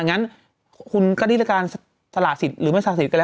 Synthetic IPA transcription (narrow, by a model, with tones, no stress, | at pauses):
ŋa˦˥n | kʰu˧nkɔː˥˩ɾʰa˥˩˥kaː˧n | sa˧laː˨˩t̪̚si˨˩t̪̚ɾɯː˩˦ma˥˩saː˨˩si˨˩t̪̚ka˧lːɛː˦˥